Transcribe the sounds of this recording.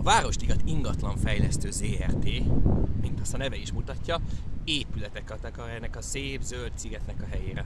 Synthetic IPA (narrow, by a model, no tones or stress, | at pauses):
ɒvaːɾo̞ʃt̪iɡɒt̪iŋɡɒt̪lɒɱfɛjlɛst̪øːzeːɛrt̪eːmint̪ɒst̪ɒnɛvɛiʃmut̪ɒcːɒeːpylɛt̪ɛkːɒt̪ɒkɒɾɛnːɛkɒseːbzølt̪siɡɛt̪nɛkɒɦɛjeːɾɛ